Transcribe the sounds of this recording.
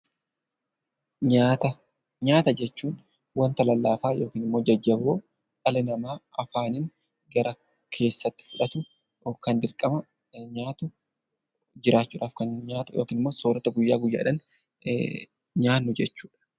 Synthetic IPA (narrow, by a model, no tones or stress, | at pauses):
ɲaːt̪ɐ | ɲaːt̪ɐd͡ʒɛt͡ʃːuːn | wɐnt̪ɐlɐlːaːfaːjoːkiːnɪmːo̞ːd͡ʒɐd͡ʒːɐboː | ʔɐlɛnɐmaːɐfaːnɪŋ | ɡɐɾɐ | kʰe̞ːsːɐt̪ːɪ̥fʊᶑɐt̪ʊ | kɐnd̪ɪɾkʼɐmɐ | ɲaːt̪ʊ | d͡ʒɪɾaːt͡ʃːuːᶑʔaːfkɐnɲaːt̪ʊjoːkiːnɪmːoːsoːɾɐt̪ɐɡʊjːaːɡʊjːa̰ːᶑɐn | ɲaːnːʊd͡ʒɛt͡ʃːuːᶑɐ̥